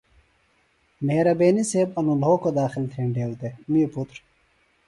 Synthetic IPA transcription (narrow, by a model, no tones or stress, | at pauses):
meːɾɐbeːniseːbɐnulɦoːkod̪aːxilt̪ʰeːɳɖeːwd̪emiːput̪ɾ